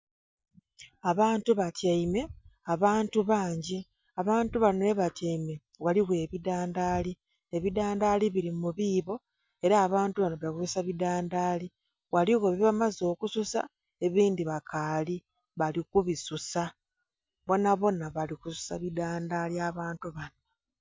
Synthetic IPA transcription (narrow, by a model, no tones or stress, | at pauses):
aβaːntuβatjaime̞aβaːntuβaːɲɟi | aβaːntuβanoeβatjaime̞ | waliɣe̞ːβidaːndaːli | eβidaːndaːliβiɾimuβiːβo̞ | e̞ɾaːβaːntuβanoβakususaβidaːndaːli | waliɣoβiβamazo̞ːkususa̰ | e̞βiːndiβakaːli | βalikuβisusa | βo̞naβo̞naβalikusu̥sa̰βidaːndaːliaβaːntuβana